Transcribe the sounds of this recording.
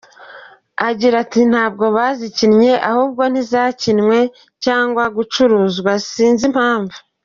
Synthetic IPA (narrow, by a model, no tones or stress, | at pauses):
aɟiɾatin̥haːb̚ɡo̞βaːzicinɲe̞ʔahuːb̚ɡo̞n̥izaːcinŋwe̞ | caːŋɡwaɡut͡ʃuɾuːzɡwasiːnzim̥haːɱvu